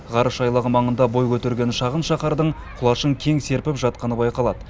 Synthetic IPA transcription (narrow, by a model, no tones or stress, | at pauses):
ʁɑɾəʃɑjlˠəʁəmɑɴənd̪ɑbo̞jkʲʰɵt̪eɾɡʲe̞nʃɑʁənʃɑqɑɾd̪əɴ | qʰʊlˠɑʃəɴkʲʰe̞ŋse̞ɾpɪpʒɑt̪̚qɑnəbɑjqɑlˠɑd̪ə